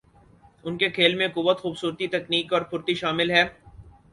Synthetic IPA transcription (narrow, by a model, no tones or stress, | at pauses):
ʊnkekʰeːlmẽkʊʋːət̪xuːbsuːɾt̪it̪ɐkniːkɔːɾpʊɾt̪iʃaːmɪlɦɛː